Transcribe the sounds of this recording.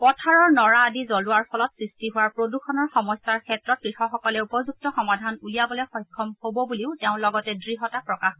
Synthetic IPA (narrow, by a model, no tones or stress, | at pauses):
pɔtʰaɹɔɹnɔɹaːdizɔluaɹpʰɔlɔtsɹistiɦuaɹpɹodukʰɔnɔɹxɔmɔstaɹkʰɛtɹɔt̚kɹixɔxɔkɔlɛupɔzuk̚tɔxɔmadʱanulijabɔlɛxɔjkʰːɔmhobɔbuliʊtɛʊ̃lɔɡɔtɛdɹiɦɔtapɹɔkax